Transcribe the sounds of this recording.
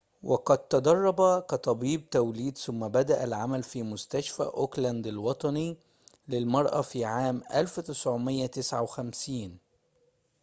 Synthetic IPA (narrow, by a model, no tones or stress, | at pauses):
wʔɑqɑd̪̚t̪ɑd̪ɑrˤːɑbækæt̪ˤɑbiːb̚t̪æwliːd̪sʊmːæbæd̪æʔælʕamælfiːmʊst̪æʃfæ̰ʔoklænd̪alwɑt̪ˤɑni | lɪlmɑɾˤʔɑfiːʕaːmʔælfwt̪ɪsʕʊmɪjːæt̪ɪsʕawxæmsiːn